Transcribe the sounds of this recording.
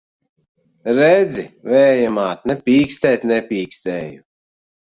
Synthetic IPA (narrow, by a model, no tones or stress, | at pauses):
ɾɛd̪zivɛːjamaːt̪nɛpʲiːkst̪ɛːt̪ʲnɛpʲiːkst̪ɛːju